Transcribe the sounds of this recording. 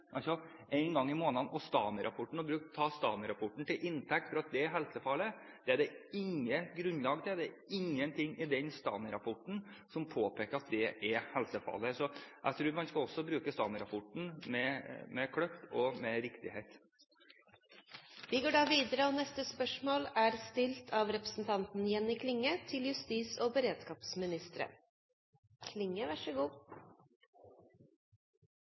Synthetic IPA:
ʔɑlsɔ | æɪnɡɑŋːɪmoːnɑnɔst̪ɑːnəɾʔɑpʰɔʈɳ̩ɔbɾʉːkt̪ʰɑːst̪ɑːnɪɾɑpʰɔʈːɳ̩t̪ɪlʔɪnt̪ʰɛk̚t̪fɔɾɑt̪̚d̪ɛɛɾɦɛlsəfɑlːə | d̪̥ɛæɖɛɪŋːəɡɾʉnlɑːɡt̪ʰɪd̪ɛ | ɪŋːənt̪ʰɪŋːɪd̪ɛnst̪ɑ̰ːnɪɾɑpʰɔʈɳ̩ | sɔmpʰoːpeːkəɾɑt̪̚d̪ɛʔɛɾhɛlsəfɑ̰ːləsɔʔæ̰t̪ʰɾuːɾmɑnskɑlɔsːɔbɾʉːkəst̪ɑːnɪɾɑpʰɔʈn̩mɛmɛkʰɽœft̪ɔmɛɾɪkt̪ɪheɪt̪ | ʋɪɡoːɖɑːʋiːd̪əɾəɔːnɛst̪əspœʂmoːlæɾst̪ɪlt̪ʰɑʋɾɛpɾəsn̩t̪ʰɑnt̪n̩jɛnːɪkʰlɪŋːət̪ʰɪljʉst̪iːsoːbəɾeːd̪skɑːpsmɪnɪst̪əɾə̰ | kʰlɪŋːəʋæʂəɡuː

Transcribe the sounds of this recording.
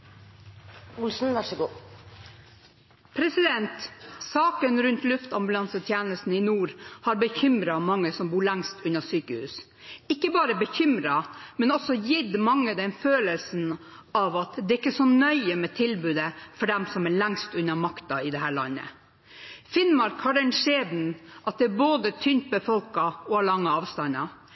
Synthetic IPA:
ʊlsn̩ʋɑʂəɡuː | pʰɾɛsɪd̪ɛnt̪sɑːkənɾʉnt̪lʉft̪ɑmbʉlɑnsət̪ʰjæːnəst̪n̩ɪnuːɾhɑɾbəçʏmɾɑmɑŋːəsɔmbuːɾɭæŋst̪ʉnːɑsyːkəhʉ̰ːs | ɪkːəbɑːɾəbəçʏmɾɑmɛnɔsɔjɪd̪mɑŋːəd̪ɛnføːləlsn̩ | ɑʋɑt̪d̪ɛɾɪkːəsɔnœʏəmɛt̪ʰɪlbʉːd̪əfɔɖɛmsɔmæɭɛŋst̪ʉnːɑmɑkt̪ɑɪd̪ɛɦæːɭɑ̰nːə̰ | fɪnmɑɾkhɑɖɛnʂeːd̪n̩ʔɑt̪̚d̪ɛæɾboːd̪ət̪ʰʏnt̪̚bəfɔlkɑɔhɑɭɑŋːəɑːʋst̪ɑnːɑ

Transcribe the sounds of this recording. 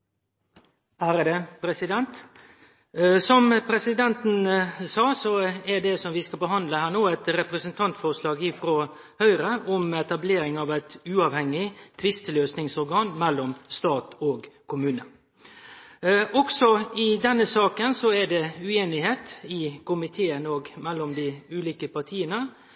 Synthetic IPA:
hæːɾəd̪ɛpʰɾɛsɪd̪ɛnt̪ | sɔmpʰɾɛsɪd̪ɛnt̪nsɑːsɔɛɖɛsɔmʋɪskɑbəɦɑnd̪ləhæːɾnoːæt̪ɾɛpɾɛsənt̪ʰɑnt̪fɔɾʂlɑːɡɪfɾo | hœʏɾəʔɔmɛt̪ɑbleːɾɪŋɑʋæɪt̪ʉːɑːʋhɛŋːɪt̪ʰʋɪst̪løːsnɪŋsɔɾɡɑːnmɛlːɔmst̪ɑːt̪ɔɡkʰʊmʉːnə̰ | ʔɔksɔɪd̪ɛnːəsɑːkənsɔɛɖɛʉeːnɪheːt̪ɪkʊmɪt̪ʰeːənɔɡmɛlːɔmd̪ɪʉːliːkəpɑɾt̪ʰiːənə

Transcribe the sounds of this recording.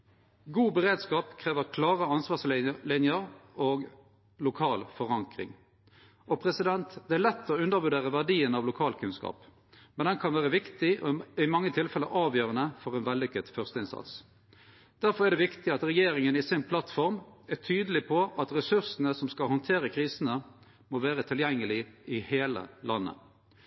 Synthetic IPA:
ɡuːbəʁeːd̪skɑːpkʰʁeːʋəʁkʰlɑːʁəɑnsʋɑːslɪnjəʁoːɡ | lʊkʰɑːlfɔʁɑŋkʁɪ̰ŋ | ʔɔpʰʁɛsɪd̪ɛnt̪d̪ɛːælɛt̪ːɔʉnd̪əʁbʉd̪eːʁəʋæʁɖiːənɑʋlʊkʰɑːlkʰʉnskɑ̰ːp | mɛnd̪ɛnkʰɑnʋæːʁəʋɪkt̪ɪʔɔɪmɑŋːət̪ʰɪlfɛlːəɾʔɑːʋjøːʁənəfɔʁɛnʋɛlːʏkːəd̪fœʁst̪əɪnsɑ̰t̪s | d̪̥æɾfɔʁæd̪ɛʋɪkt̪ɪɑt̪ɾɛjeːɾɪŋənɪsɪnpʰlɑt̪fɔʁmæʁt̪ʰyːd̪əlɪpʰɔʔɑt̪ʁɛsʉʁsənəsɔmskɑlhɔnt̪ʰeːʁəkʰʁiːsənə | moʋæːʁət̪ʰɪljɛŋːəlɪɪheːlə̰lʔɑnːə̰

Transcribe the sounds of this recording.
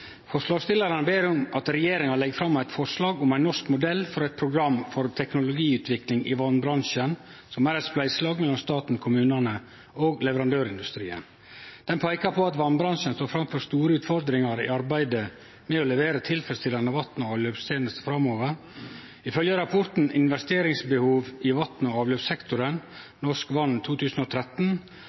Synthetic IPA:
fɔʂlɑːɡst̪ɪlɑɾənəbeːɾʊmɑt̪ɾɛjeːɾɪŋɑlɛɡːfɾɑmːæɪt̪fɔʂlɑːɡʊmæɪnɔʂkmʊd̪ɛlːfɔɾɛɪt̪̚pʰɾʊɡɾɑmːfɔɾt̪ʰɛknʊlʊɡiːʉːt̪ʋɪklɪŋʔɪʋɑnːbɾɑnʂən | sɔmæɾæt̪splæɪslɑːɡmɛlːɔmst̪ɑːt̪n̩kʰʊmʉːnənə | oːɡlɛʋəɾɑnd̪øːɾɪnd̪ʉst̪ɾḭːə̰n | d̪̥ɛnpʰæɪkɑpʰɔɑt̪ʋɑnbɾɑnʂənst̪oːfɾɑmfɔɾst̪uːɾəʉːt̪fɔɾd̪ɾɪŋɑɾɪ̰ɑɾbæɪd̪ə | mɛɔlɛʋeːɾət̪ʰɪlfɾɛst̪ɪlɑnəʋɑt̪nɔɑːʋløːpst̪ʰeːnəst̪fɾɑmːoːʋəɾ | ɪfœljəɾɑpʰɔɾt̪n̩ɪnʋɛst̪eːɾɪŋsbəhuːʋɪʋɑt̪n̩ɔɑːʋløːpsɛkt̪ʊɾən | nɔʂkʋɑnːt̪ʰuːt̪ʰʉːsn̩ɔt̪ʰɾɛt̪n̩

